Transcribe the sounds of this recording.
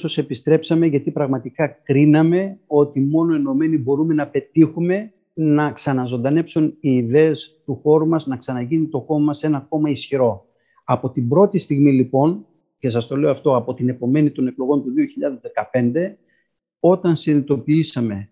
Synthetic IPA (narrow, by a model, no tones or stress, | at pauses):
so̞se̞pist̪ɾe̞psɐme̞ʝɐt̪ipɾɐɣmɐt̪ikɐkɾinɐme̞o̞t̪imo̞no̞eno̞me̞nibo̞ɾume̞nɐpe̞t̪ixume̞ | nɐksɐnɐzo̞nd̪ɐne̞psuniːðe̞ːst̪uxo̞ɾumɐznɐksɐnɐʝinit̪o̞xo̞mɐmɐse̞nɐko̞mɐisçiɾo̞ | ɐpo̞t̪ibɾo̞t̪ist̪iɣmilipo̞n | ce̞sɐst̪o̞le̞oɐft̪o̞ɐpo̞t̪ine̞po̞me̞nit̪o̞ne̞klo̞ɣo̞nt̪uðio̞çiʎɐðezðe̞kɐpe̞nd̪e̞ | o̞t̪ɐnsiðinit̪o̞piisɐme̞